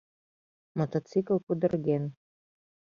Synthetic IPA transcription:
mot̪ot̪t͡sikəlˠkud̪ərɡen

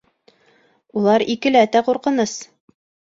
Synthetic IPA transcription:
ulˠɑɾikɘlææt̪æquɾqɤ̆nɤs

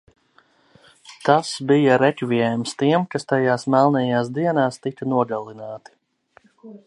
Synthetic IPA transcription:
t̪asbijɐɾɛkviɛjmst̪iɛmkast̪ajaːsmalˠnɛjaːsd̪iɛnaːst̪ikɐnuɔɡalˠinaːt̪i̥

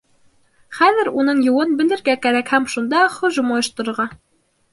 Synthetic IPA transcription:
χæðɘ̆ɾunɤɴjuwɤnbɘ̆lɘ̆ɾɡækæɾækhæmʃund̪ɑχɵ̆ʒɤmɑjɤ̆ʃt̪ɤ̆ɾɤ̆ɾʁɑ

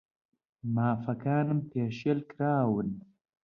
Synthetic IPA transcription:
maːfɐkaːnɨmpeːʃelkɾaːwɨn

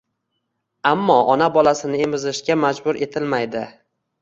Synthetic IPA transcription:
amːɒʔɒnabɒlasɪnɪemɪzɪʃɡʲamad͡ʒbʊɾʔe̞t̪ʰɪlmajd̪ɪ

